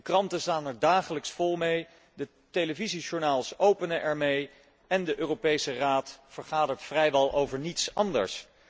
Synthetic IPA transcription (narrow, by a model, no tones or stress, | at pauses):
əkrɑntəstaːnɛɹdaːχələksfɔlˠmej | də | teləviziʒʊɹnaːlˠsowpənəʔɛɹmej | ɛndəʔøːropejsəraːtfəɹχaːdəɹtfrɛjʋɛlˠʔowvəɹnitsɑndə̰ɹs